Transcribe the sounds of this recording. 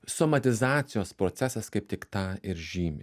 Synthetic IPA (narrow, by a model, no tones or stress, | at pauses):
somɐt̪ʲɪzɑːt̪sʲɪjoːspɾoːt̪sʲæsɐskɐɪp̚t̪ʲɪkt̪ɑːɪɾʒʲiːmʲɪ